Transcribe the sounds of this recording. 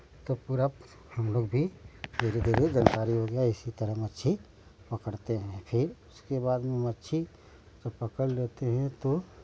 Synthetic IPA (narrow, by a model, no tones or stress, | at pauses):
t̪opuɾab | hɐmloːɡbʱimeːɾid̪eɾiɡənk̪aːɾiɦoɡɐjaɪsit̪əɾəɦmətːʃʰi | pɐkəɽt̪eɦɛ̃pʰɪɾʊskebaːd̪mẽɦmɐtːʃʰi | d͡ʒɐbpɐkəlleːt̪eɦɛ̃t̪o